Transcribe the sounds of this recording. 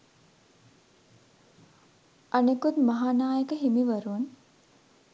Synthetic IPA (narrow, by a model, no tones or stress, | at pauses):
ʔanekut̪maɦaːnaːjəkəɦimiʋɐɾuʋan